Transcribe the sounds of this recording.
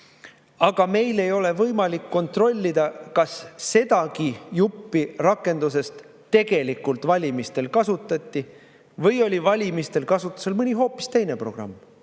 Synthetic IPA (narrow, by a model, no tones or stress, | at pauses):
ɑɡ̥ɑme̞jle̞jo̞le̞vɤjmɑlikːo̞nt̪ro̞lʲːid̪̥ɑkɑsːe̞d̪̥ɑkijupːirɑkːˑe̞nd̪̥use̞st̪ː | e̞ɡ̥e̞likːˑult̪vɑlʲimist̪e̞lkɑsut̪ːˑɑt̪ʲːˑi | vɤjo̞lʲivɑlʲimist̪e̞lkɑsut̪ːˑu̥se̞lmɯnʲiɦo̞ːpːˑi̥st̪e̞jne̞pro̞ɡ̥rɑ̰mː